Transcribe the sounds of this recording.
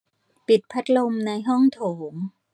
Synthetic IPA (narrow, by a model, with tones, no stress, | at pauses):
pi˨˩t̪̚pʰa˦˥t̪̚lo˧mna˧jɦɔ˥˩ŋt̪ʰoː˩˦m